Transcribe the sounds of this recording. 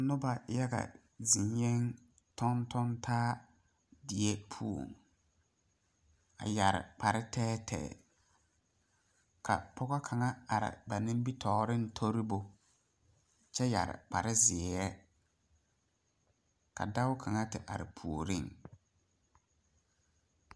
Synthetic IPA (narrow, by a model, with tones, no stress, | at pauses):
nʊ˦ba˨ja˦ɣa̰˨ | zi˨ɲjɛ˦ŋ | tʰɔ˦ntɔ˦ntʰaː˦ | dɪ˨e˦pʰu˦o̰˨ŋ | a̰˨ja˨ɾɪ̰˨pa˨ɾɪ˦tʰɛː˦tʰɛ̰ː˨ | kʰa̰˨pʰɔ˦ɣɔ˦kʰa˨ŋa˦a˨ɾɪ̰˨ba˨nɪ̃˦m˦bi˦tʰɔː˨˦ɾɪ˦n̩˦tʰo˦ɾi˦bo˦ | t͡ʃɛ˦ja̰˨ɾɪ̰˨k͡pa˨ɾɪ˦zɪ˨ɛ˦ | ka̰˨da˦wʊ˦kʰa˨ŋa˦tɪ˨ʔa̰˨ɾɪ˨pʰu˨o˨ɾi˦˨ŋ